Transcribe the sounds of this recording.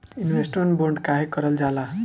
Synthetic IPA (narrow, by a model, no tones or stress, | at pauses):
inwesʈonboɳɖkaɦekʌɾʌld͡zala